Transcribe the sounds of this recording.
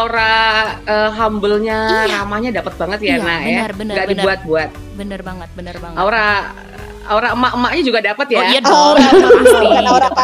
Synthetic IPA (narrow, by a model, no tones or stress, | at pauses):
aoɾaəːɦambəlɲaɾamahɲadapət̪̚baŋət̪janajaŋɡaʔdibuat̪̚buat̪̚ | ʔaoɾa | aoɾaəmaʔəmaʔɲad͡ʒuɡadapət̪̚ja